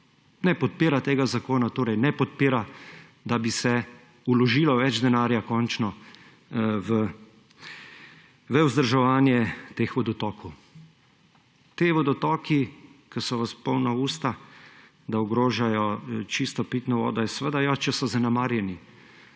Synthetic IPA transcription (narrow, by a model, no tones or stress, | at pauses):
nɛpɔt̪̚piːɾat̪eːɡazakoːnat̪oːɾɛjnɛpɔt̪̚piːɾa | d̪abisɛ | ulɔʒiːlɔʋɛd͡ʒd̪ɛnaːɾjakɔnt͡ʃnɔ | ʋə | ʋɛuzd̪əɾʒɛʋaːnjɛt̪exʋɔd̪ɔt̪ɔːkɔ | t̪eʋɔd̪ɔt̪ɔːkikəsɔʋəspɔwnauːst̪a | d̪aɔɡɾoːʒajɔt͡ʃist̪ɔpiːt̪nɔʋɔ̰ːd̪ɔisɛʋəd̪ajat͡ʃɛsɔzanɛmaːɾjɛni